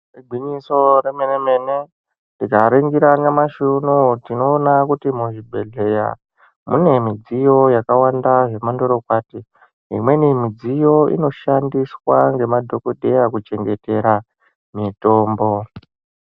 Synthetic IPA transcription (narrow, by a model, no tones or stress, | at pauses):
riɡʱiɲiso̞remenemene | ndikaɾeŋɡiɾanamaʃunutinoːnakutimuʐibʱe̞ɮe̞ja̰ | mṵne̞mid͡zijo̞jakawandaʐe̞mandoɾokwaːti | ɦḭmwe̞nimid͡zijo̞ḭno̞ʃandiswaŋɡe̞madʱokodʱejakut͡ʃe̞ŋɡe̞te̞ɾa | mito̞ːmbo̞